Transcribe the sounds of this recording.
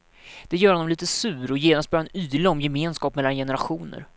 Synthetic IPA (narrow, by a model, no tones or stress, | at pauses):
d̪̥ɛjœːɾhɔnɔmliːt̪əsʉ̟ːɾɔjeːnast̪̚bœɾaanyːlaɔmjɛmeːnskɑːpmɛlːanjɛnəɾaɧuːnə̰ɾ